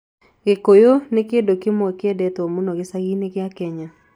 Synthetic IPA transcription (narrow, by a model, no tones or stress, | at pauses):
ɡ̥ɪkojonɪkedokɪmɔkɪɛdɛt̪omonoɡɪsaɡinɪkɪakɛɲa